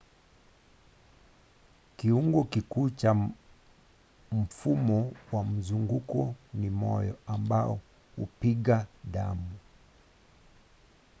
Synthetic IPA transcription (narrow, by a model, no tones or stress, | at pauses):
kiuŋɡɔkikuːt͡ʃa | m̩fumɔwam̩zuŋɡukɔnimɔjɔambaɔ | hupiɠaɗamu